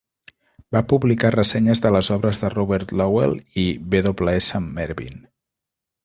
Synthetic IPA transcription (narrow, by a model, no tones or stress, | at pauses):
bapuβlikarəsɛɲəzðələzɔβɾəzðərɔβɛɾt̪lɔwḛlˠiβeðoβləesəmːɛɾβḭn